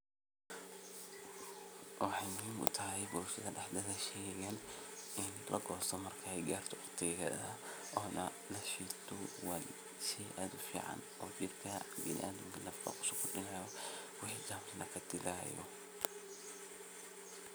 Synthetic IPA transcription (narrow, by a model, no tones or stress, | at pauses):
wɑħɑjmʊɦiːmʊ̰t̪ʰɐɦɛjbʊɾʊʃɐðɐɖɑħd̪ɐðɐʃɛːɣɛnɪnlɐ̰ɡɔːst̪ɔmɐrkʰɐɛjɡaːrt̪ʰɔʊt̪ʰɛɣɐ̰ðɐɔːnɐ | lɐʃiːt̪ʰɔwa | ʃɛʔaːd̪ʊfḭːʕɑ̰n | ɔːd͡ʒɪrkʰɐbɪnɪ̰ʔaːðɪmkʰɐlɐfkʰɐ̰qʊ̥ʃɐkʰʊɖɪnɛjɐwɪħiːd͡ʒaːmɾɪnɐkʰɐd̪ɪlaːjɔ̰